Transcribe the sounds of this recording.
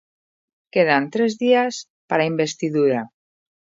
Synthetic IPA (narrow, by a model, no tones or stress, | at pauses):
keðant̪ɾezðias | paɾaimbest̪iðuɾa